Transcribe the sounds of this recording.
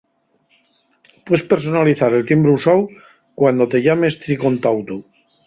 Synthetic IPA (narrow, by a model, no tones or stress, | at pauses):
pwe̞spe̞ɾso̞naliθaɾe̞lt̪imbɾusaw | kwand̪ot̪e̞ʎame̞st̪ɾiko̞nt̪awt̪u